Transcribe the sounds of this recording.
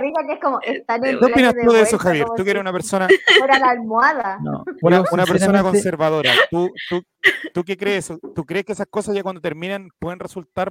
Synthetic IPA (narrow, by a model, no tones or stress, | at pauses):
ɾisakeehkomoʔest̪aneuopinasðt̪uðeesoxaβjeɾt̪ukeeɾesunapeɾsonaoɾalalmwaðano̰unaunapeɾsonako̞nsseɾβaðo̞ɾat̪ut̪u | t̪uk̬ekɾeesot̪ukɾe̞ːkeesahko̞sazʝakwand̪ot̪e̞ɾminanpweðenresult̪aɾ